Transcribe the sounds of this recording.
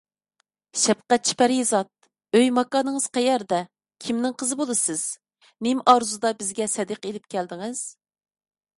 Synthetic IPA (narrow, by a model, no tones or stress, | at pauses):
ʃɛp̚qæt̪̚t͡ʃʰi̥pɛɾjezɑt̪̚ | øjmɑkɑnɨŋɨz̥qɛjɛɾd̪ɛ | kʲʰimnɪŋqʰəzɨbolˠɨsɨz̥ | memɑɾzud̪ɑbɪzɡʲɛsɛd̪əqelɪp̚kʲʰɛld̪ɪŋɨz̥